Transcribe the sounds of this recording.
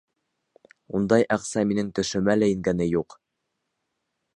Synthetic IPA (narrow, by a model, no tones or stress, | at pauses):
und̪ɑjʔɑqsɑminɘŋt̪ɵ̆ʃɵ̆mælæjɘ̆ŋɡænɘjuq